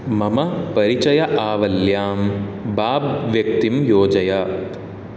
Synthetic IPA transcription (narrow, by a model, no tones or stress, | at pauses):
mɐmɐpɐɾit͡ʃɐjɐʔaːʋɐljaːmbaːbʋjɐk̚t̪imjoːd͡ʒɐjɐ